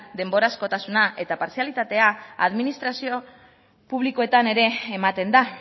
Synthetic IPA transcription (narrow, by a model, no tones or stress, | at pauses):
d̪e̞mbo̞ɾasko̞t̪asunaʔe̞t̪apaɾsialit̪at̪e̞aa̰ðminist̪ɾasio̞ | puβ̞liko̞e̞t̪ane̞ɾe̞ːmat̪e̞nd̪a